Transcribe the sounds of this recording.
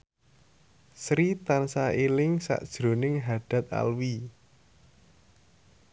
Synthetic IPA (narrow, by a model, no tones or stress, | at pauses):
sɾit̪ansaelɪŋsa̰ʔd̥ʒ̥ɾo̤nɪŋɦaɖ̥ä̤t̪̚a̰lwi